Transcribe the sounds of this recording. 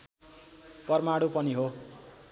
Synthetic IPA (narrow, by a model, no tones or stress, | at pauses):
pʌrmaɽupʌniɦo